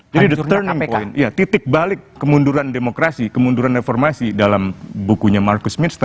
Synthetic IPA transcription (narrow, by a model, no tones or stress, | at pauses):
d͡ʒadidəərnɪŋpoɪnijat̪it̪ɪk̚balɪkːəmunduɾandemokɾasikəmunduɾanreformasidalambukuɲamarkʊsmɪnst̪a